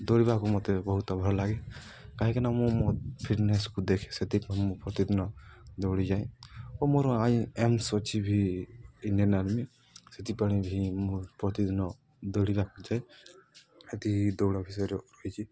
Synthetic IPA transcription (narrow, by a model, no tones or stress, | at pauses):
d̪ɔɽibakumɔt̪ebɔɦut̪ɔbʱɔɾɔlaɡekaɦɛkinamɔ̃mopʰiʈneskud̪ekʰe̥set̪ipaɽ̃imũpɾɔt̪id̪ʱinɔd̪ɔɽid͡ʒaj̃ɔmoɾɔaĩemsɔt͡ʃʰibʱiː | niɔnad̪mi | set̪ipaɽ̃ibʱimupɾɔt̪id̪ʱinɔ | d̪ɔɽibakud͡ʒaj | et̪iid̪ɔɽɔbʱisɔɾɔɾɔjt͡ʃʰi